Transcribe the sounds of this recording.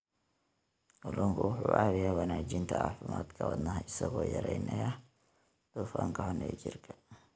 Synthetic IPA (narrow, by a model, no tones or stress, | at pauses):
ʔʊlʊŋkʰʊwʊħuːʔɑβɪjawɐnaːd͡ʒɪnt̪ʰɐa̰ːfɪma̰ːd̪kʰɐwɔd̪nɐɦɪsɐɣɔːjɐɾɛjnɐjɐ | d̪̥ufaŋkʰɐhɔnɛːd͡ʒɪrkʰɐ̥